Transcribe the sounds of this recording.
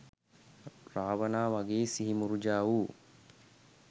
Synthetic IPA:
raːʋənaːʋaɡeːsiɦimuɾud͡ʒaːuː

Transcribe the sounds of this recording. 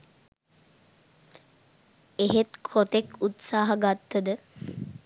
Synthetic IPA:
eɦet̪kʰot̪ekut̪saːɦaɡat̪ːəd̪ə

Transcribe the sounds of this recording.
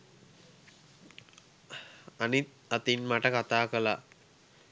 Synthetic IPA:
anit̪̚ | at̪inmaʈəkat̪aːkəla

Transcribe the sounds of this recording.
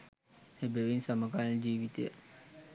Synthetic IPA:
hebeʋinsaməɡaːlld͡ʒiːʋit̪ejə̰

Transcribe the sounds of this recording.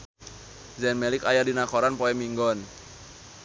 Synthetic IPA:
zɛnmɛlɪkajadinakɔɾanpɔɛmiŋɡɔn

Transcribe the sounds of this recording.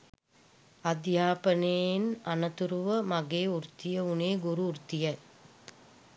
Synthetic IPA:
ɐd̪jaːpəneːnanɐt̪uɾuʋəmaɡeːuɾt̪ijəuneːɡuɾuːɾt̪ijɐ

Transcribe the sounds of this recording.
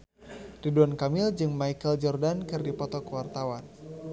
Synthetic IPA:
diduankamɪld͡ʒɨŋmaikəld͡ʒɔrdankɨrdipɔt̪ɔkəwart̪awan

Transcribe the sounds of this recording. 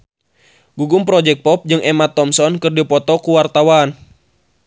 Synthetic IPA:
ɡuɡumpɾɔd͡ʒɛk̚pɔp̚d͡ʒɨŋʔɛmat̪ːɔmsɔnkɨrdipɔt̪ɔkuwart̪awan

